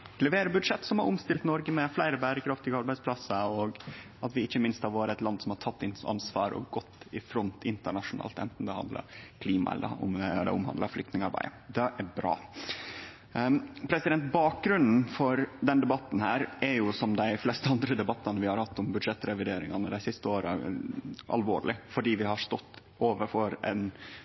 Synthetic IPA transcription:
lɛʋeːɾəbʉd̪ʂɛt̪ːsɔmhɑ̰ɾʊmst̪ɪlt̪nɔɾɡəmɛflæɪɾəbæːɾəkʰɾɑft̪ɪɡəɑɾbæɪspʰlɑsəɔɡ | ɑt̪ʋɪɪçːəmɪnst̪hɑɾʋɑːɾəɛt̪lɑnd̪sɔmhɑʈʰɑt̪ːɪnɑ̰nsʋɑ̰ːɾɔ̰ɡɔt̪ːɪfɾɔnt̪ɪnt̪əɳɑʂʊnɑ̰ːlt̪ɛ̰nt̪n̩d̪ɛhɑ̰nd̪lə̰kʰliːmɑ̰ɛ̰lːə̰ɔ̰md̪ɛ̰ʊmhɑ̰nd̪ɑflʏkt̪nɪŋɑɾbæ̰ɪd̪ɛʔæbɾɑ̰ː | pʰɾɛsɪd̪ɛnt̪̚bɑːk̚ɡɾʉnn̩fɔɾd̪ɛnd̪ɛbɑt̪ːn̩hæːɾɛɾjʊsɔmd̪æɪflɛst̪əɑnd̪ɾəd̪ɛbɑt̪ːɑnəʋɪhɑɾhɑt̪ːɔmbʉd̪ʂɛt̪ːɾɛʋɪd̪eːɾɪŋɑnəd̪æɪsɪst̪əoːɾə | ɑ̰lʋoːɭɪfɔɖiːʋɪhɑʂt̪ɔt̪ː | ʔoːʋəɾfɔɾɛ̰n

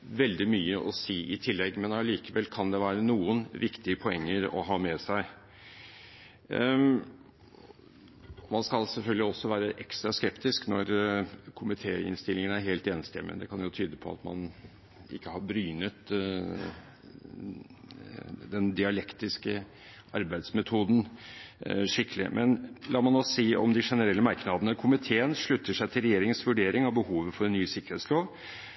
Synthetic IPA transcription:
ʋɛld̪ɪmyːəʔɔsiːʔɪt̪ʰɪlːɛɡːmɛnɑliːkəʋɛlːkʰɑnd̪ɛʋæːɾənuːənʋɪkt̪ɪəpʰɔɛŋːəɾɔ̰ɦɑːmɛsæɪ | ɔmɑnskɑlsɛlfœlɡ̪lɪɔsːɔʋæːɾəʔɛkst̪ɾɑskɛpt̪ɪsknɔɾkʰʊmɪt̪ʰeːɪ̰nst̪ɪlːɪŋənæɾɦeːlt̪eːnəst̪ɛ̰mɛ̰d̪ɛkʰɑnjʊt̪ʰyːd̪əpʰɔɑ̰t̪mɑ̰n | ɪ̰kːəhɑɾbɾyːnət̪ | d̪ɛnd̪ɪɑlɛkt̪ɪskə | ɑ̰ɾbæɪd̪smɛt̪ʰuːd̪n̩ | ʂɪkːəlɪ̰mʔɛnlʔɑːmɑnoːsiːɔ̰md̪ɪʂɛnəɾɛlːəmɑɾknɑd̪ənəkʰʊmɪt̪ʰeːənʂɭʉt̪ːəʂæɪt̪ʰɪlɾɛjeːɾɪŋənsʋʉɖeːɾɪŋɑʋbəhuːʋəfɔɾɛnːyːəsɪkːəɾheːt̪sloːʋ

